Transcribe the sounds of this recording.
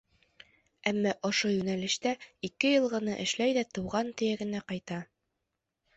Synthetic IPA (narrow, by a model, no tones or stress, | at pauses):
æmːɑʔŏʃojʉnælɘ̆ʃt̪æikɘjɤ̆lˠʁɤ̆nɤʔɘ̆ʃlæjd̪æt̪ɤ̆wʁɑnt̪ɵ̆jæɡɘ̆næqɑjt̪ɑ